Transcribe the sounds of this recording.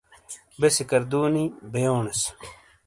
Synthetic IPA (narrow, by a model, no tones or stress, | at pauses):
besikɐɾd̪uːnibejoːnes